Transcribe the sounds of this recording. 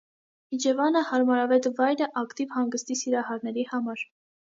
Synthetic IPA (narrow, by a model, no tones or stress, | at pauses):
hid͡ʒɛvɑnəhɑɾmɑɾɑvɛt̪vɑjɾəʔɑkt̪ivhɑŋɡəst̪isiɾɑhɑɾnɛɾihɑmɑɾ